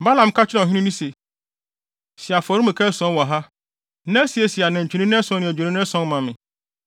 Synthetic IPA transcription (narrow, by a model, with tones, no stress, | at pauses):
ba˦lã˨m˨kʰa˦t͡ɕʰᶣɪ˦ɾã˨ɦĩ˦nũ˦nĩ˦se˨ | si˨a˨fɔ˨ɾi˦mɛ̃˨kʰɛ˦sɔ̃˦nwɔ˨ɦa˦ | nã˦si˨e˨si˨a˨nã˨ɲ̩˨t͡ɕʰᶣu˨nĩ˦nɪ̃˦ɛ˦sɔ̃˦nɪ̃˨d͡ʑᶣnĩ˦nɪ̃˦sɔ̃˦nmã˨mɪ̃˨